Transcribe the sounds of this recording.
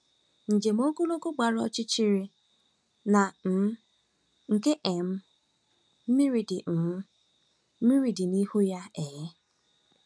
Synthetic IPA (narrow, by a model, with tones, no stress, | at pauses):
n̩˨d͡ʒe˨m̩˦o˦ɡo˦lo˦ɡo˦ɡ͡ba˨ɾɔ̰˦t͡ʃi˦t͡ʃi˦ɾi˨ | na˨m̩˨˦ | ŋ̩˨ke˦ʔe˨m̩˦ | m̩˦mi˦ɾi˨dɪ˨m̩˨m̩˦ | m̩˦mi˦ɾi˨dɪ˨ni˦hu˦ja˦e˨ɣe˦